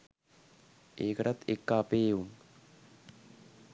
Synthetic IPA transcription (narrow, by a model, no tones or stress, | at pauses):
eːkəʈat̪ekːaːpeːum